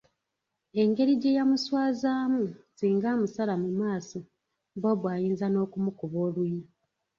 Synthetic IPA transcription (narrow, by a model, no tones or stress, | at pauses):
e̞ŋɡe̞ɾiɟe̞jamuswaːzaːmuziːŋɡaːmusalamumaːso | boβwaːjiːnzano̞ːkumukuβo̞ːlwuna